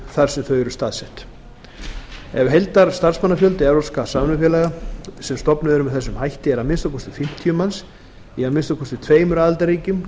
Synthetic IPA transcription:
θaɾ̥sɛmθœɥjɾʏst̪aːðsɛht̪ | ɛvɦejlt̪aɾ̥st̪ar̥smanːafjœlt̪ɪɛɾɔskasaːmnʏfjɛːlaɣasɛmst̪ɔpnʏðɛɾʏmvɪθɛsːʏmɦajht̪ɪɛɾamɪnst̪awkʰɔst̪ʏfɪm̥t̪ʰijʏmːans | iaðmɪnst̪akʰɔst̪ʏt̪ʰveːjmɾaːðalt̪aɾiːcʏm

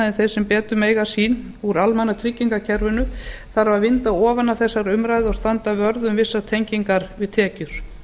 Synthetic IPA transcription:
ɛnθej̥sɛmpɛːt̪ʏmeːjɣasiːn | uɾalmanːat̪ʰɾicːiŋkacʰɛɾvʏnʏθaɾavaðvɪnt̪aɔːvanːaθɛsːaɾʏmɾaːjðɪɔɣst̪ant̪avœɾðʏmvɪsːat̪ʰejɲciŋkaɾvɪðt̪ʰɛːcʏɾ̥

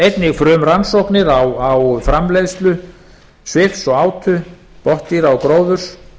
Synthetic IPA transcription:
ejt̪nɪɣfɾœːmransowknɪɾawawfɾamlejðst̪lʏ | svɪfsɔɣaːwt̪ʰʏ | pɔht̪iɾawkɾoːwðʏɾ̥

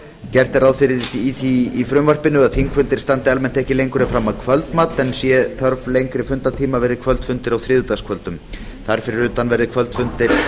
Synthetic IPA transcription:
cɛr̥t̪ɛɾaːðfɪɾɪːθiifɾʏmvar̥pɪnːʏaðθiŋkfʏnt̪ɪɾ̥st̪ant̪ɪalmɛn̥t̪ɛhcɪlejŋkʏɾɪfɾamːaðkʰvœlt̪maːt̪ɛnsjɛθœɾvlejŋkɾɪfʏnt̪at̪ʰiːmavɛɾðɪkʰvœlt̪fʏnt̪ɪɾawθɾɪːðʏt̪askʰvœlt̪ʏm | θaɾ̥fɪɾɪɾʏːt̪anvɛɾðɪkʰvœlt̪fʏnt̪ɪɾ̥

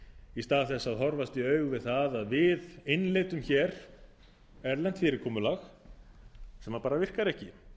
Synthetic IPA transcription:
ist̪aːðθɛsːaðɦɔɾvast̪iœɥɣvɪðθaðaðvɪðɪnleːt̪ʏmçɛɾ̥ | ɛɾlɛn̥t̪fɪːɾɪɾkʰɔːmʏlax | sɛmaɾpaːɾavɪr̥kaɾɛhcɪ

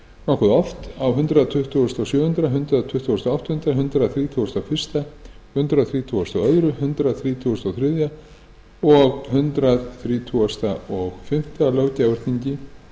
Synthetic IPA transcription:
nɔhkʏðɔft̪awɦʏnt̪ɾaðt̪ʰʏht̪ʰːuwɔst̪awsjʏːhʏnt̪ɾaɦʏnt̪ɾaðt̪ʰʏht̪ʰːuwːst̪awawht̪hʏnt̪ɾaɦʏnt̪ɾaðθɾiːt̪ʰuwɔst̪awfɪr̥st̪a | hʏnt̪ɾaðθɾiːt̪ʰuɔst̪awœðɾʏhʏnt̪ɾaðθɾiːt̪ʰuɔst̪awθɾɪðja | ɔɣhʏnt̪ɾaðθɾiːt̪ʰuast̪aʔɔɣfɪm̥t̪alœːwcavʏɾ̥t̪niɲcɪ

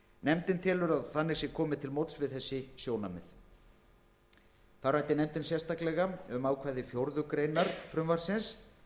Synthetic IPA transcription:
nɛmt̪ɪnt̪ʰɪlʏɾaðθanːɪɾsjɛkʰɔːmɪt̪ʰɪlmowt̪svɪðθɛsːɪsjoːwnamɪθ | θawrajht̪ɪnɛmt̪ɪnsjɛ̥st̪aklɛɣaʏmaːwkʰvaːjðɪfjowɾðʏkɾejnaɾ̥fɾʏmvaɾ̥sɪns

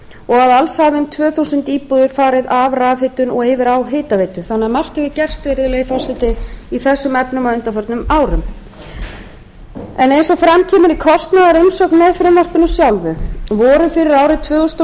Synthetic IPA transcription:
ɔɣaðalshaːvɪmt̪ʰvœːθusʏnt̪iːpuðʏɾ̥faːɾɪðavraːfɪt̪ʏnɔɣɪvɪɾawɦeːt̪aveːjt̪ʏθanːɪamar̥t̪ɛvɪcɛr̥st̪veːɾɪðlɛɣifasɪt̪ɪiθɛsːʏmɛpnʏmaʏnt̪afœɾt̪nʏmaːwɾʏm | ɛnejnsɔfɾamcʰɛːmʏɾikʰɔst̪naðaɾɪjnsɔknmɛðfɾɪmvar̥pɪnːʏsjawlvʏvɔːɾʏfɪɾɪɾaːwɾɪt̪ʰvœːɣʏst̪

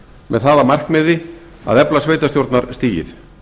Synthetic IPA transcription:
mɛðθaðamar̥kmɪðɪ | a̰ðɛplasveːjt̪ast̪jowɾt̪naɾst̪iːjɪ̰θ

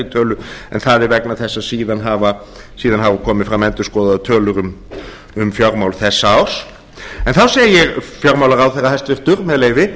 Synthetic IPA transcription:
ɪt̪ʰœːlʏɛ̰nθaðɛɾvɛknaθɛsːaðsiːðanɦaːva | siːðanhavakʰɔːmɪfɾamːɛnt̪ʏɾ̥skɔːðaðʏt̪ʰœːlʏɾʏm | ʏmfjɔɾmawlʏ̥θɛsːaaws | ɛnθawseːjjɛɣfjɔɾmawlaɾawθɛrːahɛst̪vɪr̥t̪ʏɾmɛðleːjvɪ

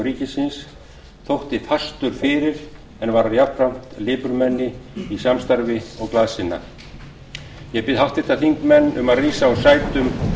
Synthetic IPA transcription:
ɾiːcɪsɪns | θowht̪ɪt̪ʰast̪ʏɾ̥fɪːɾɪɾ̥ | ɛnvaɾaðjapɾam̥t̪lɪːpʏɾmɛnːɪisjamst̪aɾvɪɔɣklaːðsɪnːa̰ | jɛpɪðhawht̪ɪht̪aθiŋkmɛnːʏmaðriːsaɔsaːjt̪ʏm

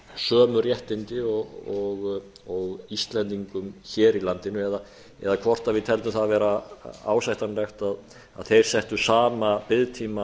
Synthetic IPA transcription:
sœːmʏɾjɛht̪ɪnt̪ɪɔɣɔɣ | ɔɣist̪lɛnt̪iŋkʏmçɛːɾilant̪ɪnʏɛða | ɛ̰ðakʰvɔr̥t̪avɪðt̪ʰɛlt̪ʏmθaðavɛːɾaa̰ːwsajht̪anlɛxt̪að | a̰ðθejɾ̥sɛht̪ʏsaːmapɪðt̪ʰiːma

